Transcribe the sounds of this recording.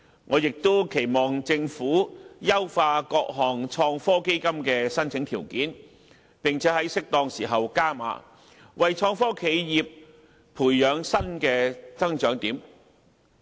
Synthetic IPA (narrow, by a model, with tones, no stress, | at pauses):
ŋɔː˨˧jɪ˨k̚t̪o˥wkʰe˨˩jmɔː˨˩ŋt͡sɪ˧ŋfuː˨˥jɐ˥wfaː˧kɔː˧k̚ɦɔː˨˩ŋt͡ʃʰɔː˧ŋfɔː˥ke˥jkɐ˥mkɛː˧sɐ˥nt͡sʰɪ˨˥ŋt̪ʰiː˨˩wkiː˨˥n | pɪ˨ŋt͡sʰɛː˨˥hɐ˨˥jsɪ˥k̚t̪ɔː˧ŋsiː˨˩ɦɐ˨wkaː˥ma̰ː˨˧˥ | wʔɐ˨jt͡ʃʰɔː˧ŋfɔː˥kʰe˨˧jjiː˨p̚ | pʰuː˨˩jjœː˨˧ŋsɐ˥nkɛː˧t͡sɐ˥ŋt͡ʃœː˨˥ŋt̪iː˨˥m